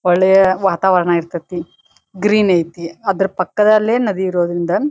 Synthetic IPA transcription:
ɔɭːɛjɐʋaːt̪aːʋɐɾɐɳaːjiɾt̪ːɐt̪ːi | ɡɾiːnɐjt̪iɐd̪ɐɾupɐkːɐd̪ɐlːeːnɐd̪iːɾoːd̪ɐɾind̪ɐ

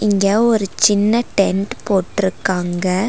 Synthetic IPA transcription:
ɪŋɡɐɔɾɯt͡ʃɪnːɐʈɛɳʈpoːʈːɪɾɯkːaːŋɡɐ

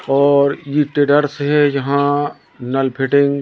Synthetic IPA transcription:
ɔːɾjeʈeːɖəɾsɦɛd͡ʒɐɦã | nɐlpʰɪʈɪ̃ŋɡ

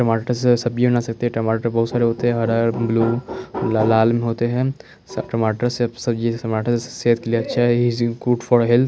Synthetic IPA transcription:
ʈɐmaːʈəɾssɐb̚d͡ʒĩnasɐk̚t̪eɦɛʈɐmaːʈəɾbɐɦut̪saːɾeɦoːt̪eɦɛ̃ɦɐɾaɾbluː | laːlmẽɦoːt̪eɦɛ̃ː | sʈɐmaːʈəɾsbsɐbd͡ʒiɐmaːʈəɾsseɦət̪kelieɐtːʃʰaɦɛikuːʈfʰɔːɾɦɛlt̪

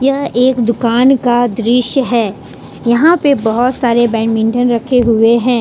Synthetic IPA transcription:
jɐɦeːkd̪ʊkaːnkad̪ɾɪʃjəɦɛː | jɐɦãpebɐɦʊt̪saːɾebɛ̃ːɳmɪ̃ɳʈənɾɐkʰeɦʊeɦɛ̃ː

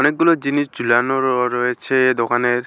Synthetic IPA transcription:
ɔnek̚ɡulɔd͡ʒinisd͡ʒulanɔɾɾɔet͡ʃʰed̪okaneɾ

